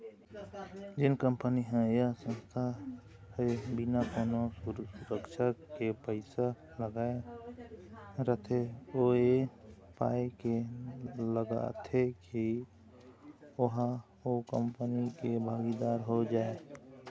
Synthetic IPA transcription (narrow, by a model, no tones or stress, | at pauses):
d͡ʒɪnkəmpəniɦɛ̃jasə̃nst̪ʰa | hebinakonosuɾəkʃʰakepəɪsa | ləɡae | ɾət̪ʰeoepa̰eke | ləɡa̰t̪ʰeki | oɦ | okəmpənikebʱaːɡid̪aɾɦod͡ʒaːe